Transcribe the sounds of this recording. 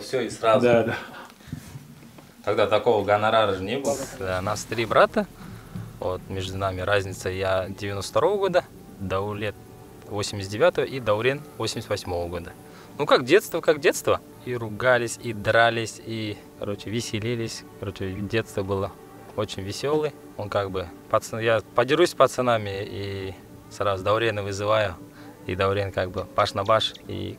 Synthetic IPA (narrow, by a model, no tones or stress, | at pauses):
fsʲoɪsrazd̪d̪a | t̪ɐɡd̪at̪ɐko̞vəɡɐnɐɾaɾəʐənʲebɨlˠətɡd̪anast̪ɾʲibɾat̪ə | vot̪mʲeʐd̪ʊnamʲɪɾazʲnʲɪt̪səjadʲɪvʲɪnoft̪ɾo̞vəɡo̞d̪ə | d̪ɐʊlʲet̪̚ | vosʲɪmʲɪsʲt̪dʲɪvʲat̪əvəʔid̪ɐʊɾʲenvosʲɪmʲsʲt̪vɐsʲmo̞vəɡo̞d̪ə | nukakdʲe̞t̪st̪vəkakdʲet̪st̪və | irʊɡalʲɪsʲid̪ɾalʲɪsʲikɐ̰ɾo̞t͡ʃɪvʲɪsʲɪlʲilʲɪsʲkɐɾo̞t͡ɕɪdʲe̞t̪st̪vəbɨlˠə | o̞t͡ɕɪnʲvʲɪsʲo̞lˠɨj | onkaɡ̚bɨpɐt̪sɨjapɐdʲɪʐusʲpət̪sɨnamʲɪi | sɾazʊd̪ɐʊɾʲenɨvɨzɨvajʊ | ḭd̪ɐʊɾʲenkaɡbɨpaʂnɐbaʂḭ